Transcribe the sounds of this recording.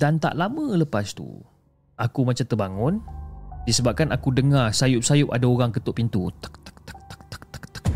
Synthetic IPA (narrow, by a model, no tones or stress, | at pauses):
d̥ant̪a̰ʔlamə̃ləpast̪ṵ | akumat͡ʃamt̪ərbaŋʊndisəbap̚kanakudəŋarsajʊp̚sajʊp̚adaoɣaŋkət̪ʊʔpint̪ut̪ə̥k̚t̪ə̥k̚t̪k̚t̪ə̥k̚t̪ə̥k̚t̪ə̥kt̪ə̥k̚